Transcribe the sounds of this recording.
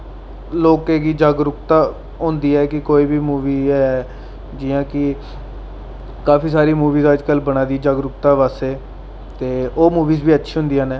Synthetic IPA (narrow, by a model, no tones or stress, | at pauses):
loːkeːɡiːd͡ʒaːɡɾʊkt̪aː | ɦʊ̃nd̪iːɛːkɪkoːiːbiːmuːʋiːɛɛ | d͡ʒɪjãːkɪ | kaːpʰiːsaːɾiːmuːʋiːzaːd͡ʒkəlbəɽaːd̪id͡ʒaɡɾʊkt̪aːʋaːseː | t̪eːoːmuːʋiːzbiːətːʃʰiːɦʊ̃nd̪ijãːnɛː